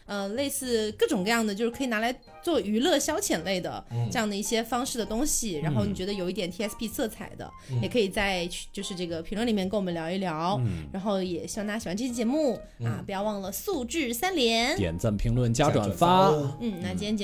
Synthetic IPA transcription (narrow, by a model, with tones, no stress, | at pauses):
ə˧le˥˧ɪsɹ̩˥˧kɤ˥˩ʈ͡ʂʊ˨˩ŋkɤ˥˧jɑ˥˩ŋd̪ə˩t͡ɕjʂɻ̩˥˩kʰi˨˩na˧˥la˧˥ɪ | t͡swɔ˥˩y˧˥lɤ˥˩ɕjɑ˥ʊt͡ɕʰjɛ˨˩nle˥˩ɪd̪ə̰˩ʈ͡ʂɤ˥˧jɑ˥˩ŋd̪ə˩i˥˩ɕjɛ˥fɑ˥ŋʂɻ̩˥˩d̪ə˩t̪ʊ˥ŋɕi˨ɻa˧˥nxo˥˩ʊni˨˩ɥɛ˧˥d̪ə˧jo˨˩ʊi˥˩jɛ˨˩nt̪ʰi˥ɛ˥spʰi˥˧t͡sʰɤ˥˩t͡sʰa̰˨˩ɪd̪ə̰˦jɛ˨˩kʰɤ˧˥i˨˩t͡sa˥˧ɪt͡ɕʰt͡ɕjo˥˧ʊʂɻ̩˥˧ʈ͡ʂɤ˥˩ɡə˩pʰi˧˥ŋlwə˥˩nli˨˩mjɛ˥˧nke˥wɔ˨˩ə˧˦ljɑ˧˥ʊi˥˩ljɑ˧˥ʊɻa˧˥nxo˥˩ʊjɛ˨˩ɕi˨˩xna˧˥ɕi˨˩wa˧˥nʈ͡ʂɕjɛ˥t͡ɕjɛ˧˥mu˥˩ | a̰˥˧pi˨˩jɑ˥ʊwɑ˥˩ŋlə˩su˥˧ʈ͡ʂɻ̩˥˩sa˥nljɛ˧˥njɛ̰˨˩nt͡sə˥˩ŋpʰi˧˥ŋlwə˥˩nt͡ɕja˥ʈ͡ʂwa̰˨˩nfa˥n̩˥˩na˧˩t͡ɕi˥ɛ˥t͡ɕ